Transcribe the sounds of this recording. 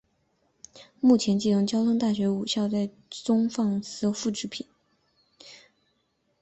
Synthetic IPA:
mu˥˩t͡ɕʰjɛ˧˥nt͡ɕi˥˩ʊ˥˩ŋt͡ɕjɑ˥ʊt̪ʰʊ˥ŋt̪a˥˩ɕɥɛ˧˥u˨˩ɕjɑ˥˧ʊt͡sa˥˩ɪ | t͡sʊ˥ŋfɑ˥˩ŋsɹ̩˥fu˥˧ʈ͡ʂɻ̩˥˩pʰi˨˩˦n

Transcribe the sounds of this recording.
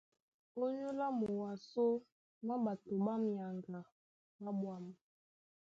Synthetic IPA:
o˦ɲu˦la˦mu˨wa˨so˦ | ma˦ba˨to˨ba˦mi˨a˨ŋɡa˨ | ma˦bwa˨m˨

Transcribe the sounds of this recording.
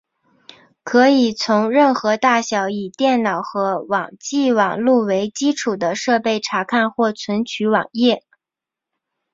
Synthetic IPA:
kʰɤ˧˥i˨˩t͡sʰʊ˧˥ŋɻə˥˩nxɤ˧˥t̪a˥˩ɕjɑ˧˥ʊi˨˩t̪jɛ˥˩nnɑ˨˩ʊxɤ˧˥wɑ̰˨˩ŋt͡ɕi˥˩wɑ˨˩ŋlu˥˩we˧˥ɪt͡ɕi˥ʈ͡ʂʰu˨˩d̪ə˦ʂɤ˥˧pe˥˩ɪʈ͡ʂʰa˧˥kʰa˥˧nxwɔ˥˩t͡sʰwə˧˥nt͡ɕʰy˧˥wɑ̰˨˩ŋjɛ˥˩

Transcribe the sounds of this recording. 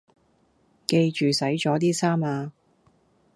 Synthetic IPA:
ke˧jt͡ʃyː˨sɐ˨˥jt͡ʃɔː˨˥t̪̬iː˥saː˥maː˧

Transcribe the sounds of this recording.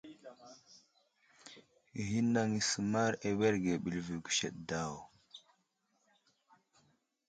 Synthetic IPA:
ɦi˦nːa˨ŋi˨su˨ma˦ɾe˨we˦ɾɡe˨ɓi˨lvi˨ɡu̥˨ʃḛ˨ɗda˦˨w

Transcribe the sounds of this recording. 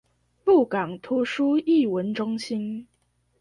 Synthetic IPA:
pu˥˩kɑ˨˩ŋt̪ʰu˧˥ʂu˥i˥˩wə˧˥nʈ͡ʂʊ˥ŋɕi˥n

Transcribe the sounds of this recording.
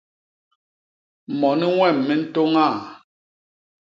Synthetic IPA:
mɔ˨ni˦ŋwɛ˦˨mːɛ˦n̩˦to˦ŋa˦˨

